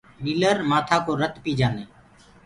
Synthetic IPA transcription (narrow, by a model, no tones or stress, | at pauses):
miːləɾmaːt̪ʰaːkoːɾət̪piːd͡ʒaːneː